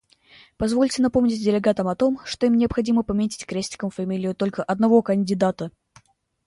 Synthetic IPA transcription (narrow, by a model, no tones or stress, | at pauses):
pɐzvo̞lʲtʲɪnɐpo̞mnʲɪtʲdʲɪlʲɪɡat̪əmɐt̪o̞mʂt̪oimnʲɪəɐpxɐdʲiməpɐmʲetʲɪ̥tʲkɾʲesʲtʲɪ̥kəmfɐmʲilʲɪjʊt̪o̞lʲkəʔɐd̪nɐvo̞kənʲdʲɪd̪at̪ə